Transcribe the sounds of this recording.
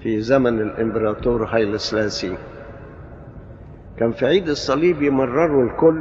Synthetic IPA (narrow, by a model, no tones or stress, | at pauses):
fiːzæmænɪlʔɪmbɪɾˤɑːt̪oːɾhɑjlɪslæːsi | kæːnfiʕiːd̪ɪsˤːɑliːbjɪmɑrˤːɑɾˤlkʊlː